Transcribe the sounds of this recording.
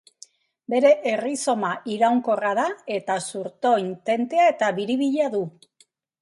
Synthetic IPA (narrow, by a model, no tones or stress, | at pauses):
be̞ɾe̞ʔeriso̞maʔiɾawŋko̞rað̞ae̞t̪asuɾt̪o̞int̪e̞nt̪e̞ae̞t̪aβiɾiβ̞iʎeaðu